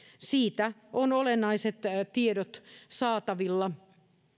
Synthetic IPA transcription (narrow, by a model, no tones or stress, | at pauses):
siːt̪æonolenːɑiset̪t̪iedot̪sɑːt̪ɑʋilːɑ